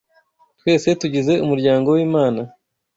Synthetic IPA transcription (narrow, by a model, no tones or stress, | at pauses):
twe̞ːse̞tuɟize̞umuɾɟaːŋɡo̞wiːmaːna